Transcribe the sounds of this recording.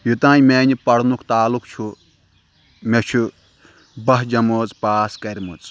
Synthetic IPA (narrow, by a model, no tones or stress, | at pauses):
jut̪ãːnmeːnʲipɐɽnukʰt̪aːlukt͡ʃʰu | met͡ʃʰu | bɐɦd͡ʒɐmoːt͡spaːskɐɾʲmut͡s